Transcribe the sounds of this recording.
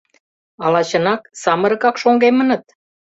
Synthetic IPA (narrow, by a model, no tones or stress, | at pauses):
ɑlɑt͡ɕə̆nɑksɑmə̆ɾɤ̆kɑkʃoŋɡemə̆nə̆t̪̚